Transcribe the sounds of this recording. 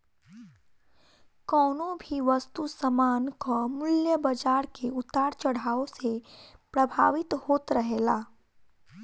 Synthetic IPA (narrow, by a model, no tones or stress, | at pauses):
kɔːnõbʱiʋəst̪usəmaːnkɔmʊljəbəd͡ʒaːɾkeʊt̪ːaːɾt͡ʃəɽaːosepɾəbʱa̰ːʋɪt̪hoːt̪ɾəɦelaː